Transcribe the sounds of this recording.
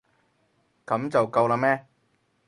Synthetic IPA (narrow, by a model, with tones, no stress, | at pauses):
kɐ˨˥mt͡sɐ˨wkɐ˧wlaː˧mɛː˦˥